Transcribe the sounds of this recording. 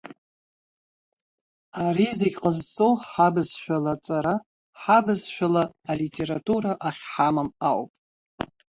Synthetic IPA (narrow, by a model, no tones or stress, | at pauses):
arizikʼqʼəzt͡sʼowħabɨzʃʷᶣalat͡sʼaɾa | ħabɨzʃʷᶣalaːlitʲʼe̞ɾatʰʼuɾaʔaχʲħamamawpʼ